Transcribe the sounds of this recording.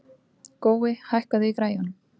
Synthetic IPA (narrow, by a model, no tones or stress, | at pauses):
koːwɪhajhkaðɪikɾaːjan